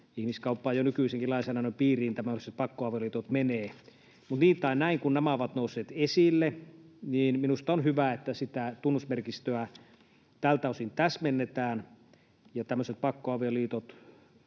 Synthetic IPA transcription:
ihmiskɑupːɑːjonykyˑiseŋkilɑisenɑnoimpiːriːnt̪æmøset̪̚pɑkːoɑʋeoliːt̪ot̪meneː | mut̪niːt̪ˑɑˑinæiŋkunnæmæoʋɑt̪nousːˑeːt̪esilːeniːnminust̪ɑonhyʋæet̪ːæsit̪æt̪unːusmerkist̪øæ | t̪ælt̪ɑˑusint̪æsmenːet̪æːn | jɑt̪æmːøset̪̚pɑkːoɑʋioliːt̪ot̪

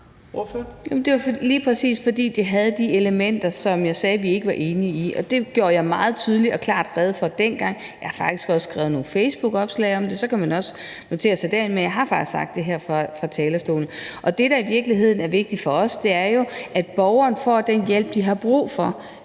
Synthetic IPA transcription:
jæmnd̥e̝ɑfliːpʰʁɛsḭːsfɒ̽d̥ḭːd̥iɦæð̞̩ˠd̥ieləmen̰d̥ɐsɒ̽mjɑ̈ɪsɛːʋie̝ɡ̥əʋɑ̈ʔe̝ːniiʔɒ̽d̥e̝ɡ̥jo̝ːɐjɑ̈ɪmɑ̈ːð̞̩ˠt͡sʰyːð̞ˠliɒ̽kʰlɑ̰̈ːd̥ʁɛːð̞̩ˠfɒ̽d̥enɡ̥ɑ̈ŋ̰ | jɑ̈ɪhɑ̈fɑ̈ɡ̥d̥i̥sɡ̥ɒ̽ssɡ̥ʁɛːʊð̩ˠno̝ːn̩feɪsb̥uɡ̥ɒ̽b̥slɛ̰ɪɒ̽md̥e̝sɒ̽kʰæmænɒ̽sə̥ | no̝t͡sʰe̝ːɐsɑ̈ɪd̥æɐinmenjɑ̈ɪɦɑ̈fɑ̈ɡ̥d̥i̥sɑ̈ɡ̥d̥e̝ɦæɐfʁɑ̈fʁɑ̈t͡sʰɛːlɐsd̥o̝̰ːlnəʔɒ̽d̥e̝ɾ̥ɑ̈iʋiɐɡ̥liɦe̝ð̰ˠn̩æɐʋe̝ɡ̥̚d̥ifɒ̽ɒ̽sd̥e̝æɐjo̝ʔæd̥̚b̥ɒʊɐːnfɒ̰ːd̥enjel̰b̥̚d̥iɦɑ̈b̥ʁṵːfɒ̽

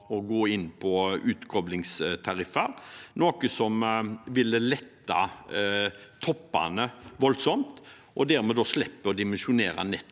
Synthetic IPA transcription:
ɔɡoːɪnːpʰɔʉːt̪kʰɔblɪŋst̪ʰɑɾɪfɑɾnoːkəsɔmʋɪlːəlɛt̪ːɑ̰ | t̪ʰɔpːɑ̰nəʋɔlsɔmt̪ | ʔɔd̪æɾmɛd̪ɔːslɛpːəɾɔd̪ɪmɛnʃʊneːɾɑ̰nɛt̪ː

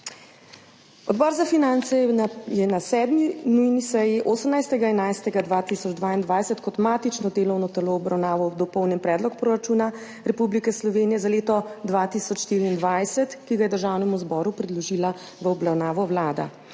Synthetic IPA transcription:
ɔd̪bɔɾzafinant̪sɛjɛnasɛːd̪minujnisɛjiʔoːsəmnajst̪ɛɡaɛnajst̪ɛɡad̪ʋaːt̪isɔd͡ʒd̪ʋaːind̪ʋajsət̪kɔt̪maːt̪it͡ʃnɔd̪eːlɔwnɔt̪ɛloːbɾawnaːʋɔd̪ɔpɔwnjɛnpɾɛːd̪lɔkpɾoɾat͡ʃuːna | ɾɛpublikɛslɔʋeːnijɛzaleːt̪ɔd̪ʋat̪isɔt͡ʃʃt̪iːɾiːnd̪ʋajsɛt̪kiɡajɛd̪əɾʒawnɛmuzbɔɾupɾɛd̪lɔʒila | ʋəɔbɾawnaːʋɔwlaːd̪a̰

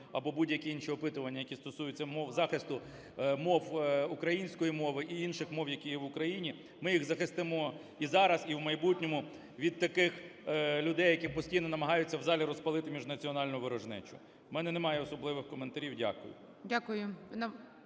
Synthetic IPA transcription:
ɐbɔbudʲjɐkʲiinʃiɔpɪt̪ʊʋɐnʲːɐjɐkʲist̪ɔsujʊt͡sʲːɐmɔwzɑxɪst̪ʊ | mɔwukɾɐjinʲsʲkɔjimɔʋɪʔiinʃɪxmɔwjɐkʲijɛʋʊkɾɐjinʲi | mɪjixzɐxɪst̪ɪmɔ | izɑɾɐziwmɐjbutʲnʲɔmʊ | ʋʲid̪̚t̪ɐkɪxlʲʊd̪ɛjːɐkɪxpɔsʲtʲijnɔnɐmɐɦɑjʊt͡sʲːɐwzɑlʲiɾɔspɐlˠɪt̪ɪmʲiʒnɐt͡sʲiɔnɑlʲnjʊʋɪɾɔʒnɛ̰t͡ʃʊ̰ | mɛnɛnɛmɑjɛɔsɔblˠɪʋɪxkɔment̪ɐɾʲiwdʲa̰kʊjʊ̰ | dʲakʊjʊn

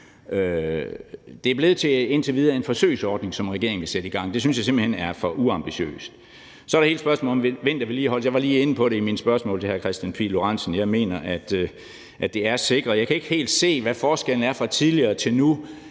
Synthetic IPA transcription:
ø | d̥e̝æɐb̥le̝ð̞̩ˠt͡sʰe̝e̝n̰t͡sʰe̝ʋiːð̞ˠɐe̝nfɒ̽sø̰ːsɒːd̥ne̝ŋsɒ̽mʁɛɡ̥e̝ɐeŋ̩ʋe̝sed̥əiɡ̥ɑ̈ŋ̰d̥e̝synsjɑ̈se̝mb̥l̩henæɐfɒ̽ʔuɑ̈mb̥iɕø̰ːsd̥ | sɒ̽æɐɾ̥he̝ːl̥sb̥ɶɐsmɔ̰ːlɒmʋeʋend̥ɑʋe̝liːɒ̽ləsjɑɪʋɑ̈liːenəpʰɒ̽ɾe̝iminsb̥ɶɐsmɔ̰ːlt͡sʰe̝hæɐkʰʁɛsd̥ænpʰḭloʁɑ̈nsn̩jɑ̈ɪme̝̰ːnɐʔæd̥ | ʔæd̥e̝æɐse̝ɡ̥ʁɐjɑ̈kʰæe̝ɡ̥he̝̰ːld̥se̝̰ːʋæfɒːsɡ̥el̰n̩æɐfʁɑ̈t͡sʰiðˠliɐːt͡sʰe̝lnu

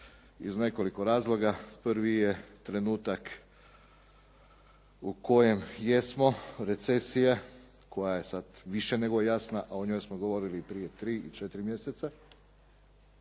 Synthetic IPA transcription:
ḭzne̞ko̞liko̞ɾaːzlˠo̞ɡapɾʋijet̪ɾe̞nuːt̪ak | uko̞je̞mje̞smo̞ɾe̞t̪se̞sija | kʰo̞jaje̞sad̪ʋiʃene̞ɡojejasnaʔaoɲo̞jsmoɡo̞ʋo̞ɾilipɾije̞t̪ɾiːʔit͡ʃet̪iɾimjeset̪sa

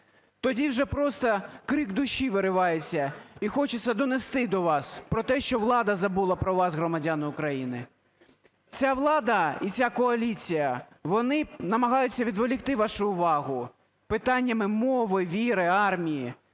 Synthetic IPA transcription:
t̪ɔdʲiwʒɛpɾɔst̪ɐkɾɪɡd̪ʊʃiʋɪɾɪʋɑjet͡sʲːɐixɔt͡ʃesʲːɐd̪ɔnest̪ɪd̪ɔʋɑspɾɔt̪ɛʃt͡ʃɔʋlˠɑd̪ɐzɐbulˠɐpɾɔʋɑsɦɾɔmɐdʲanʊʊkɾɐjinɪ | t͡sʲaʋlˠɑd̪ɐit͡sʲakɔɐlʲit͡sʲijɐ | ʋɔnɪnɐmɐɦɑjʊt͡sʲːɐʋʲid̪ʋɔlʲixt̪ɪʋɑʃʊʊʋɑɦʊ | pɪt̪ɑnʲːɐmɪmɔʋɪʋʲiɾɪɑrmʲiji

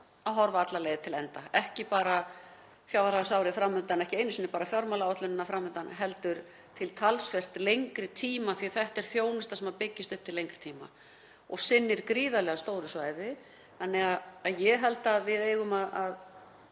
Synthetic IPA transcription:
aðɦɔɾvaat̪laleːjðɪt̪ʰɪlɛnt̪aɛhcɪpaːɾa | fjawðɾasawɾɪfɾamːʏnt̪anɛhcɪeːjnsiːnːɪpaːɾafjɔɾmalaaht̪ʏnɪnːafɾamːʏnt̪anɦɛlt̪ʏɾ | t̪ʰɪlt̪ʰalsfɛr̥t̪lejŋkɾɪt̪ʰiːmaθiθɛht̪ɛɾ̥θjoːwnɪst̪asɛmapɪcːɪst̪ʏhpt̪ʰɪlejŋkɾɪ̥t̪ʰiːma̰ | ɔɣsɪnːɪɾkɾiːðalɛɣast̪oːwɾʏsvaːjðɪ | θanːɛɣaðːðjɛɦɛlt̪aðvɪðeːjɣʏmaðað

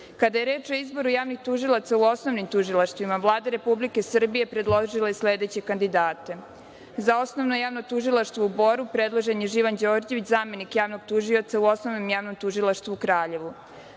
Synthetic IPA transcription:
kad̪aje̞ɾe̞ːt͡ʃo̞izbo̞ɾujaːʋnixt̪uʒilˠat̪sauo̞snoʋnimt̪uʒilˠaʃt̪vʋimaʋlˠaːd̪aɾe̞publike̞sr̩bijepɾed̪lˠoʒilajesled̪et͡ɕe̞kand̪id̪aːt̪e̞ | zao̞sno̞ʋnojaːʋnot̪uʒilˠaʃt̪voubo̞ɾupɾed̪lˠoʒe̞njeʒiʋand͡ʑo̞ːɾd͡ʑeʋit͡ɕzaːme̞nikjaːʋno̞ɡt̪uʒiot̪sauo̞snoʋnomjaːʋnomt̪uʒilˠaʃt̪ʋuukɾaːʎe̞ʋu

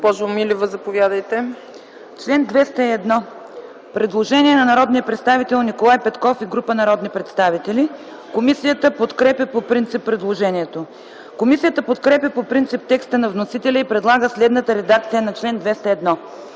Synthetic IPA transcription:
pɔʒmilʲivəzɐpovʲjad̪əjt̪ɛ | t͡ʃlɛnd̪vɛst̪əiɛd̪nɔ | pɾɛd̪lˠoʒɛniɛnɐnɐɾɔd̪nijəpɾɛt̪st̪avit̪ɛlˠnikolˠajpɛt̪kɔfiɡɾupənɐɾɔd̪nipɾɛt̪st̪avit̪ɛlʲi | komisijət̪əpot̪kɾɛpʲəpopɾint̪sipːɾɛd̪lˠoʒɛniɛt̪o | komisijət̪əpot̪kɾɛpʲjəpopɾint̪sip̚t̪ɛkst̪ənɐvnosit̪ɛlʲəipɾɛd̪lˠaɡəslɛd̪nət̪əɾɛd̪ak̚t̪sijənɐt͡ʃlɛnd̪vɛst̪əɛd̪nɔ

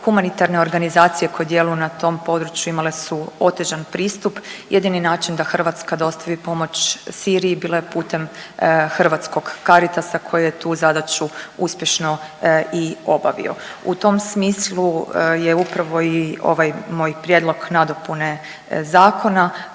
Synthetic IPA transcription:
xumanit̪aɾne̞o̞ɾɡanizaːt̪sije̞ko̞jed̪je̞lujunat̪o̞ːmpo̞d̪ɾut͡ʃjuimalesuo̞t̪eʒanpɾiːst̪upjed̪ininaːt͡ʃind̪axr̩ʋat̪skad̪o̞st̪aʋipo̞mo̞t͡ɕsiːɾijibiːlajepuːt̪e̞mxr̩ʋat̪sko̞ɡːaɾit̪asakʰo̞jejet̪uːzad̪at͡ɕuuspʲje̞ʃno̞io̞baʋḭo̞̰ṵt̪o̞msmiːslˠujeupɾaʋo̞io̞̰ʋajmo̞ːjpɾjed̪lˠo̞ɡnad̪o̞pune̞ | zaːko̞na

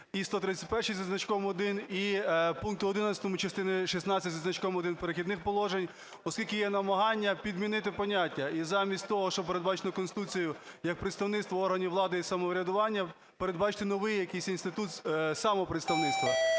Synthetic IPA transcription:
ist̪ɔt̪ɾɪt͡sʲɐ̥t̚ʲpɛrʃijzɐznɐt͡ʃkɔmɔd̪ɪnipunŋk̚t̪ʊɔd̪ɪnɐt͡sʲɐ̥t̪ɔmʊt͡ʃɐst̪ɪnɪʃisnɑt͡sʲɐtʲzɐznɐt͡ʃkɔmɔd̪ɪnpeɾexʲid̪nɪxpɔlˠɔʒenʲ | ɔskʲilʲkɪjɛnɐmɐɦɑnʲːɐpʲid̪mʲinɪt̪ɪpɔnʲatʲːɐizɑmʲisʲtʲt̪ɔɦɔʃt͡ʃɔpeɾed̪bɑt͡ʃɪ̥nɔkɔnsɪt̪ut͡sʲijʊjɐk̚pɾɪt̪st̪ɐwnɪt̪st̪ʋɐɔrɦɐnʲiʋlˠɑd̪ɪisɐmɔʋɾʲɐd̪ʊʋɑnʲːɐ | peɾed̪bɑt͡ʃɪ̥t̪ɪnɔʋɪjjɐkijsʲinst̪ɪt̪ut̪sɑmɔpɾet̪st̪ɐwnɪt̪st̪ʋɐ

